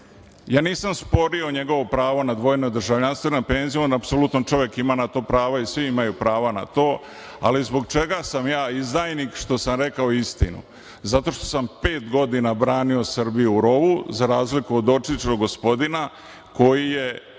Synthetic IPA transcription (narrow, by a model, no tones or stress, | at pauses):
jaːniːsamspo̞ɾio̞ɲe̞ɡo̞ʋopɾaːʋo̞nad̪ʋo̞jnod̪r̩ʒaʋʎanst̪ʋenompe̞ːnzijonapsolut̪not͡ʃo̞ʋje̞kimanat̪o̞ːpɾaːʋaisʋiimajupɾaːʋana̰t̪o̞ː | a̰lizbo̞ɡt͡ʃe̞ɡasamjaːizd̪aːjnikʃt̪o̞samɾe̞kaoist̪inṵ | zat̪o̞ʃt̪o̞̥sampe̞ːt̪ɡo̞d̪inabɾaːnio̞srbijuuɾo̞ʋuzaɾaːzlikuod̪o̞t͡ʃit͡ʃoɡo̞spo̞d̪ina | ko̞jije̞